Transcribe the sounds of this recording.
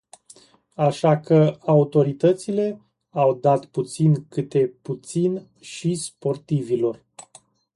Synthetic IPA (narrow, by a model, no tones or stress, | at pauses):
aʃakəaut̪o̞ɾit̪ət̪sile̞ | awd̪at̪put̪sinkɨt̪e̞put̪sin | ʃispo̞rt̪ivilo̞r